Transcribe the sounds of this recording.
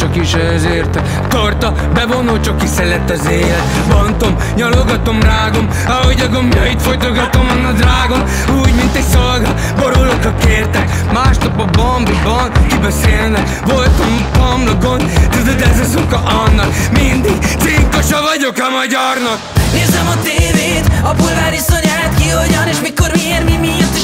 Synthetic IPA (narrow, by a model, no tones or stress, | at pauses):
t͡ʃɒkiʃɛzeːrt̪ | t̪ort̪ɒ | bɛvonult͡ʃɒkːisɛlɛt̪ːɒzeːlɛt̪ | bont̪o̞m | ɲɒloɡɒt̪o̞mraːɡo̞m | ɒɦoɟɒɡo̞mjɒjit̪fo̞jt̪oɡɒt̪omɒnːɒd̪raːɡo̞m | uːɟmint̪ɛcsolɡɑ | bo̞ɾolokɒkeːrt̪ɛk | maːʃnɒpobɒmbibɒnkibɛseːlnɛk | volt̪om | p̪ɒmloɡond̪t̪ud̪ød̪ɛzɛzukɒʔɒnːɒkmind̪iɡseːŋkoʃɒvɒɟo̞kɒmɒɟɒrnɒkneːzɛmɒt̪eːveːt̪ɒburɡaːɾisoɲaːat̪kioɟɒneːʃmiko̞ɾmieːɾmimit̪i